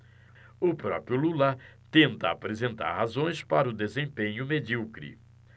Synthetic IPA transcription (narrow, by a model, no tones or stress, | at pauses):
ʊpɾɔ̰pɾiʊlulat̪ẽnt̪ɐapɾezẽnt̪a̰ɾhazõj̃spaɾɐʊd̪ezẽpẽɲʊmed͡ʒiwkɾḭ